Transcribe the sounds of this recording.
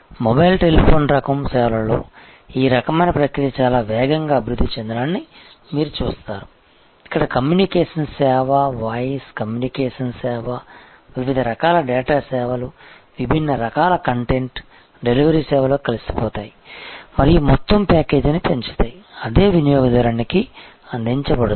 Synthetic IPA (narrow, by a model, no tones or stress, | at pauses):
mɔbɐjlʈe̞lipʰo̞ːnɾɐkɐmsɛːʋɐlɐlo̰ː | iːɾɐkɐmɐjnɐpɾɐkɾijɐt͡ʃaːlaːʋɛːɡɐŋɡaːɐbʱiɾud̪ʱːit͡ʃend̪ɾaːnːi | miːɾut͡ʃuːst̪aːɾu | ikːɐɽɐkɐmjuːnikeːʂɐnsɛːʋɐʋaːjskɐmjuːnikeːʂɐnsɛːʋɐ | ʋiʋid̪ʱɐɾɐkaːlɐɖɛːʈaːsɛːʋɐlu | ʋibʱinːɐɾɐkaːlɐkɐɳʈe̞ɳʈ | ɖe̞liʋɐɾiːsɛːʋɐloːkɐlɐsi̥pɔːt̪aːjimɐɾijumɔt̪ːɐmpɛːke̞ːd͡ʒinip̪eɲt͡ʃi̥t̪aːjiɐd̪e̞ːʋinijɔːɡɐd̪ɐɾaːniki | ɐnd̪ʱiɲt͡ʃɐbɐɽɐ